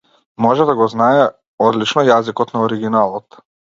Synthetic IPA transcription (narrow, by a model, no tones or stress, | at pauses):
mɔʒɛd̪aɡɔznaɛ | ɔd̪lit͡ʃnɔjazikɔt̪naɔɾiɡinalˠɔt̪